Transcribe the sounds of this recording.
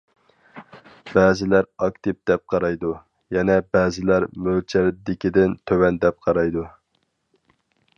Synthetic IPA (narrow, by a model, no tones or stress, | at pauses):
bɛːzɪlæɾɑkt̪ɨp̚d̪̥ɛp̚qʰɑɾɑjd̪u | jɛnɛbɛːzɪlæɾmølt͡ʃʰæɾd̪ɪkʲid̪ɪnt̪ʰøwɛnd̪ɛp̚qʰɑɾɑjd̪u